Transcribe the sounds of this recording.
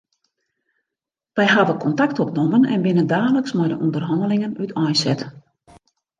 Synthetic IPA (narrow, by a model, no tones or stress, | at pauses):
ʋɛjɦavəkʰɔntaktɔpnomənɛ̰nbɪnəndaːləksmɛjdəʔundərɦɔndəlɪŋənytʰɔjsɛt